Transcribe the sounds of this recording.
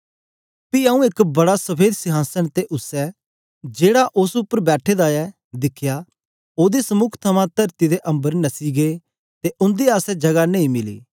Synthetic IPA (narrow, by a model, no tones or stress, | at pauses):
piaːũɪkbɐɽasɐpʰeːd̪sɪɦaːsəɽ̃t̪eʔʊsɛ | d͡ʒeːɽaʔʊsʊpːəɾbɛːʈʰed̪aɛ | d̪ɪkʰja | oːd̪isɐmʊkʰt̪ʰɐmãt̪ɐɾt̪id̪eʔɐ̃mbəɾnɐsiɡeː | t̪eʔʊ̃nd̪eaːsɛd͡ʒɐɡanẽːĩmɪlḭː